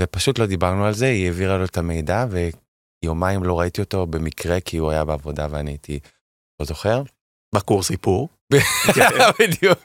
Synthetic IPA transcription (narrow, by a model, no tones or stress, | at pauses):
vepaʃutlo̞d̪ibaʁnualze̞ieviʁalo̞et̪ame̞jdave̞ | jo̞maimlo̞ʁaitio̞to̞be̞mikʁe̞kʰiuajabeavo̞daveanijt̪ʰi | ozo̞χe̞ʁ | bakuʁsipuʁ | bi | bid̪juk